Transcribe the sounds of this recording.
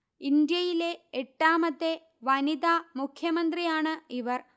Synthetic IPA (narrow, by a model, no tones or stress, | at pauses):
ind̪jɐjile̞eʈːaːmɐt̪ːe | ʋɐnid̪aːmukʰjɐmɐnd̪rijaːɳɨiʋɐr